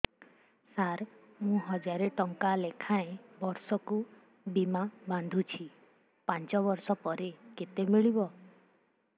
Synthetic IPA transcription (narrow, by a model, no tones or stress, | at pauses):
saɾ | mũɦɔd͡ʒaɾeʈɔŋkalekʰaẽbɔɾsɔku | bimaband̪ʱut͡ʃʰi | pãnt͡ʃɔβɔɾsɔpɔɾeket̪emiɭibɔ